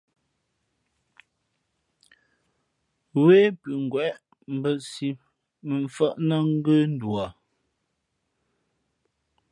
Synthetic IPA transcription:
weː˦pʉ˨ŋ̩˨ɡwɛ˨ʔ | m̩˨˦bə˦si˨ | mə˨ɱ˨fə˦˨ʔnə˦ŋ̩˦ɡə˦n̩˦dwa˨

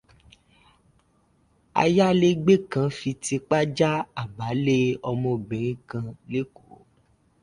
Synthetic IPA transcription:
a̰˧ja˦le˦ɡ͡be˦kã˧fi˧ti˧k͡pa˦d͡ʒa˦a˨ba˨˦le˦ɔ˧mɔ̃˧bẽ˨ɾ̃ĩ˨˦kã˧le˦ko˨˦

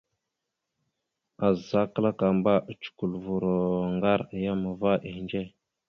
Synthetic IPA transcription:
a˨za˦kə˦la˦ka˨mba˦ʔt͡ʃu̥˨ku˨lvu˨ɾo˨ŋɡa˦ɾja˦ma˨va˦ʔe˨nd͡ʒe˦˨

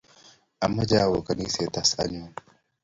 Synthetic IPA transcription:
ʔa˨mːɐ˦d͡ʒaː˦˨wo˨kɐ˨niː˦se˨t̪a˦sa̰˦n˦o˨

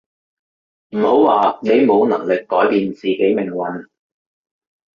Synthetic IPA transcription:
m̩˨˩ho˨˥wwaː˨ne˨˧jmo˨˧wnɐ˨˩ŋlɪ˨kːɔː˨˥jpiː˨nt͡siː˨ke˨˥jmɪ˨˩ŋwɐ˨n

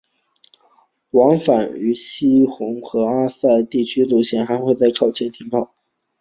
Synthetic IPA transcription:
wɑ˧˥ŋfa˨˩ny˧˥ɕi˥xʊ˧˥ŋxɤ˧˥a˥sa˥˧t̪i˥˩t͡ɕʰy˥lu˥˩ɕjɛ˧˥nxa˧˥ɪxwe˥˧ɪt͡sa˥˧ɪkʰɑ˨˩ʊt͡ɕʰjɛ˥˩nt̪ʰi˧˥ŋpɑ˥˩ʊ

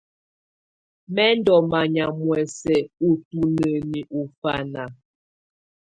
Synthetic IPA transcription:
mɛ˦n̩˦dɔ˨ma˨ɲa˨mwɛ˨sɛ˨u˨tu˦nə˨ni˨ʔu˨fa˦na˨

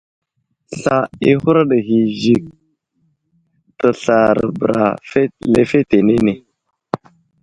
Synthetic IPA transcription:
sa˨i˦hu˦ɾa˦ɗə˨ɦi˨zi˨k̚ | tə˨ɬa˨ɾbə˨ɾa̰˨fe˦le˦fe˦te˨ne˦ne˨

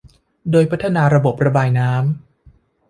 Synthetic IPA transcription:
doː˧jpʰa˦˥t̪ʰːa˧naː˧ɾa˧bo˨˩p̚ɾa˧baː˧jnaː˦˥m

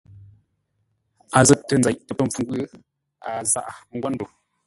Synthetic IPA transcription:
a˨zə˦tːə˨n̩˨d͡za˨jʔtə˨pə˦ɱ̩˨fu˨ŋ˦ɡwə˦ | a˨za̰˦˨ʔa˨˦ŋ̩˦ɡwa˦n˦do˨

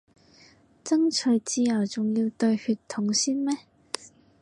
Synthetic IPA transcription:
t͡sɐ˥ŋt͡ʃʰɵ˨˩ɥt͡siː˧jɐ˨˩wt͡sʊ˨ŋjiː˧wt̪ɵ˧ɥhyː˨˧tt̪ʰːʊ˨˥ŋsiː˥nmɛː˥

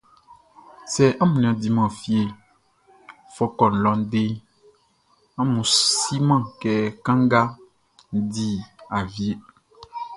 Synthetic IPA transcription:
sɛ˨ʔa˦mũ˨ñ˨ã˨d̪i˨mã˨fi˦e˨ | fɔ˦kɔ˨n̩˨lɔ̃˨n˦de˦ | ã˦mũ˨si˦mã˦˨kɛ˨kã˦ŋɡa˦ | di˦a˨vi˦e˦

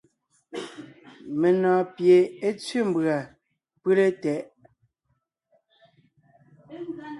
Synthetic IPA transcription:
me˨nɔ̃ː˨pje˨e˦t͡sɥi˦˨m˨bɰa˨ | pʉ˦le˦tɛ˨˦ʔ

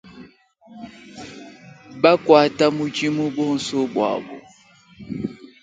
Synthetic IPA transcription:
ba˦kwa˨ta˦mu˦t͡ʃi˦mu˦bɔ˦n̩˨so˦bwa̰˨bɔ̰˨

